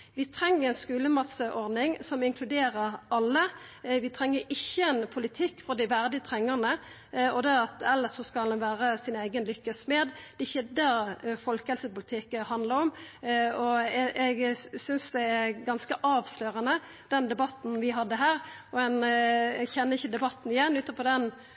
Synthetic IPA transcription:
ʋɪt̪ʰɾɛŋːəɾɛnskʉːləmɑt̪səʔɔʁd̪nɪŋsɔmɪŋkʰlʉd̪eːɾəɾɑlːəʋɪt̪ʰɾɛŋːəɾɪçːəɛnpʰʊlɪt̪ʰɪkːfɔʁd̪ɪʋæʁd̪ɪt̪ʰʁɛŋːəʁnə | ɔd̪ɛɑt̪ɛlːəʂɔskɑlʋæːʁəsɪnæɪɡənlʏkːəsmɛːd̪d̪̥ɛɪçəd̪æɾfɔlkəhɛlsəpʊlɪt̪ʰɪkhɑnd̪ləɾɔmɔʔɛɡsʏnsd̪ɛæɾɡɑnskəʔɑːʋsløːʁənə | d̪̥ɛnd̪ɛbɑt̪ːn̩ʋɪɦɑd̪ːəɦæːɾɔɛnɛɡçɛnːəɪçːəd̪ɛbɑt̪ːn̩ɪjɛnːʉːt̪əpʰɔd̪ɛn

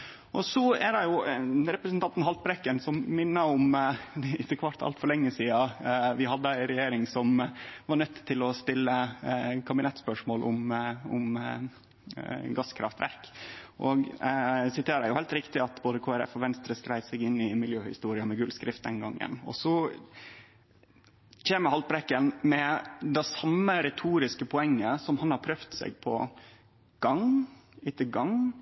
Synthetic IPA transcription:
ʔɔsɔæɖɑjʊɾɛpɾəsnt̪ɑnt̪n̩hɑlt̪̚bɾɛkːənsɔmːɪnːəɔm | ɪt̪ːəkʰʋɑʈt̪ʰɑ̰lt̪fɔɭɛŋːəsiːɑʋɪɦɑd̪ːəæɪnɾɛjeːɾɪŋsɔmʋɑɳœt̪ːt̪ʰːɪlɔst̪ɪlːəkʰɑbɪnɛt̪ːspœʂmoːlʔʊ̰mʊ̰m | ɡɑskʰɾɑft̪ʋæ̰ɾkʔɔɡsɪt̪ʰeːɾæjʊhɛɪlt̪ɾɪkt̪ɪɑt̪boːd̪əkʰoːæɾɛ̰fɔʋɛnst̪ɾəskɾæɪsɛɡɪnːɪmɪljøːhɪ̰st̪uːɾɪɑmɛɡʉlskɾɪft̪̚d̪ɛnɡɑŋːə̰nɔ̰sɔ | çeːməhɑlbɾɛkːənmɛd̪ɛsɑmːəɾɛt̪ʰuːɾɪskəpʰɔɛŋːəsɔmhɑnhɑɾpʰɾœft̪sɛ̰ɡpʰɔ̰ | ɡ̥ɑŋɪt̪ːəɡɑŋ

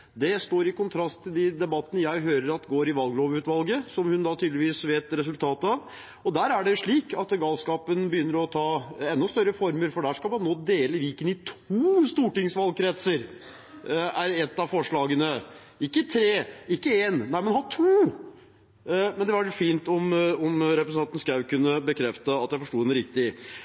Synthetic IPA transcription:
d̪ɛst̪oːɾɪkʊnt̪ʰɾɑst̪t̪ʰːɪld̪ɪd̪ɛbɑt̪ːənəjæɪɦøːɾəɾɑt̪ɡoːɾɪʋɑlɡloːʋʉːt̪ʋɑlɡəsɔmhʉnd̪ɑt̪ʰɪːd̪ləʋiːsʋeːt̪ɾɛs̬ʉlt̪ʰɑːt̪əɑʋ | ɔd̪æːɾæɖɛʂɭiːkɑt̪ɡɑlskɑːpənbəjʏnːəɾɔt̪ʰɑːɛnːʊst̪œɾːəfɔɾməɾfɔɖæʂkɑlmɑnːoːd̪eːləʋiːkənɪt̪ʰuːst̪uːʈɪŋsʋɑl̚kʰɾɛt̪səɾ | æɾɛt̪ːɑʋfɔʂɭɑːɡənə | ɪkːət̪ʰɾeːɪkːəeːnnæɪmɛnhɑʈʰuː | mɛnd̪ɛʋɑɾfiːnt̪ɔmɔmɾɛpɾəsnɑnt̪n̩skɑʉkʉnːəbəkʰɾɛft̪əɑt̪jæɪfɔʂʈuːd̪ɛnɾɪk̚t̪ɪ

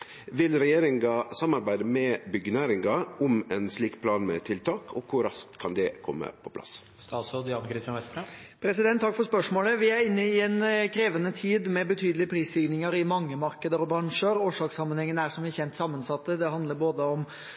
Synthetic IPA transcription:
ʋɪlɾɛjeːɾɪŋɡɑsɑmɑɾbæɪd̪əmɛbʏɡnæɾɪŋɡɑʔʊmɛnsliːkpʰlɑːnmɛ̰t̪ʰɪlt̪ʰɑːkʰɔkʰʊɾɑsk̚t̪kʰɑnd̪ɛkʰɔmːə̰pʰɔpʰlɑ̰s | st̪ɑːsɔd̪ɪjɑnkɾɪst̪jɑnʋɛst̪ɾəpʰɾɛsɪd̪ɛnt̪ʰːɑkfɔɾspœʂmoːləʋɪæɾɪnːəɪɛnkʰɾeːʋənət̪ʰiːd̪mɛbət̪ʰyːd̪əlɪpʰɾiːsinɪŋəɾɪmɑŋːəmɑɾkəd̪əɾɔbɾɑŋʂəɾoːʂɑːksɑmːənhɛŋːənəæʂɔmʋɪçɛnt̪sɑmːənsɑt̪ːəd̪ɛɦɑnd̪ləɾboːd̪əɔm

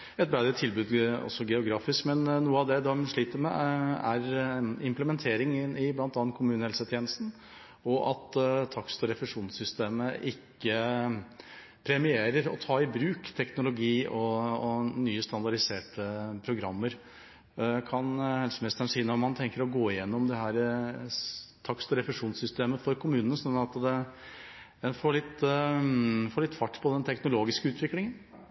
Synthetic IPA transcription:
ɛt̪̚bɾæd̪əɾət̪ʰːɪlbʉːd̪ɔ̰sːɔɡɛʊɡɾɑːfɪskmɛnːuːəɑʋd̪ɛd̪ɛmʂɭiːt̪əɾmɛ̰æɾɪmpləmɛnt̪ʰeːɾɪŋɪblɑnt̪ɑn̚kʰʊmʉːnəhɛlsət̪ʰjɛːnəst̪n̩ | ɔʔɑt̪t̪ʰːɑkst̪ɔɾɛfɛʂuːnsʏst̪eːməʔɪkːə | pʰɾɛmɪeːɾəɾɔ̰t̪ʰɑːɪbɾʉːkt̪ʰɛknʊlʊɡiːɔː | nyːəst̪ɑnd̪ɑɖɪseːʈəpʰɾʊɡɾɑmːəɾ | kʰɑnhɛlsəmɛst̪əɳsiːənɔɾmɑnt̪ʰɛŋkəɾɔɡoːɪjɛnːɔmd̪ɛɦæːɾ | t̪ʰɑkst̪ɔɾɛfɛʂuːnsʏst̪eːməfɔɾkʰʊmʉːnənəsɔnːəɾɑt̪d̪ɛ | ɛnfoːɭɪt̪ː | foːɭɪt̪ːfɑʈːpʰɔd̪ɛnt̪ʰɛknʊloːɡɪskəʉːt̪ʰʋɪklɪŋən

